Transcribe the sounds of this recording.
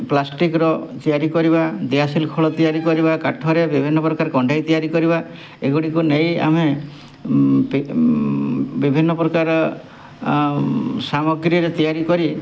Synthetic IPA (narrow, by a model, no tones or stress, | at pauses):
plasʈikɾɔt̪ijaɾikɔɾibad̪easilkʰɔɭɔt̪ijaɾikɔɾibakaʈʰɔɾebibʱinːɔpɾɔkaɾɔkɔɳɖʱajt̪ijaɾikɔɾiba | eɡuɽikuneja̰me | p | bibʱinːɔpɾɔkaɾɔ | samɔɡɾiɾet̪ijaɾikɔɾi